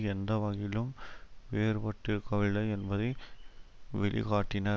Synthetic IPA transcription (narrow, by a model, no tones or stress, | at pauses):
ɛnd̪ɐʋɐɣɪlɯmʋeːɾpɐʈːɯkɐʋɪlɐɛnbɐðɐɪ | ʋɛ̰ɭɪ̰kaːʈːɪnaː